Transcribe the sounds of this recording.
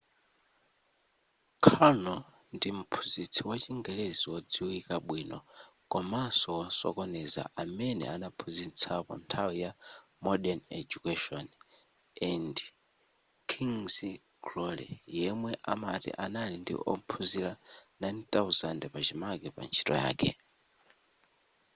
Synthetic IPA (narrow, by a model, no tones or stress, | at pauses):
kʰanɔ | ndim̩pʰu̥zit͡sʰiwat͡ʃiŋɡɛleziwɔd͡ziwikaɓwiːnɔ | kɔmasɔwasɔ̰kɔnɛza̰ʔamɛnɛ̰anapʰuzint͡sʰapɔ̰ntʰawija | mɔɗɛnɛd͡ʒukɛʃɔn | ɛnd | kʰiŋzi | ɡlɔlɛ̰jɛmwɛʔamatḭʔanalindḭʔɔ̰m̩pʰuziɾanajnt̪awzandɛpat͡ʃimakɛpa̰nt͡ʃʰi̥tʼɔ̰ja̰ːkʰɛ̰